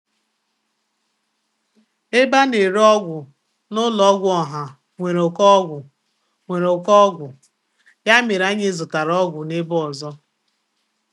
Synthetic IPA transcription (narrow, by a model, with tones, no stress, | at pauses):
e˦ba˦ne˨ɾɔ˦ɡʷʊ˨ | nʊ˦lɔ˨˦ɡʷʊ˦ɔ˨ɦa˨ | ŋʷe˨ɾo˨kɔ˦ɡʷʊ˨ | ŋʷe˨ɾo˨kɔ˦ɡʷʊ˨ | ja˦me˨ɾa˦ɲe˦zʊ˨ta˨ɾɔ˦ɡʷʊ˨ne˦bɔ˨zɔ˦